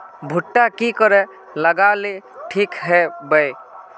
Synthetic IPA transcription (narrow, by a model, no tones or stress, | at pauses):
bʱʊʈːakikəɾɛ | ləɡaleʈʰikɦɛbəj